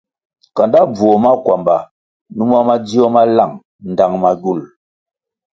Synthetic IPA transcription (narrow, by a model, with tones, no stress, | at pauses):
ka˨nda˦b͡vu˨o˨ma˦kwa˨mba˨ | nu˦ma˦ma˦d͡zi˦ɔ˦ma˦la˦˨ŋ | n̩˨da˨ŋma˨ɡu˦˨l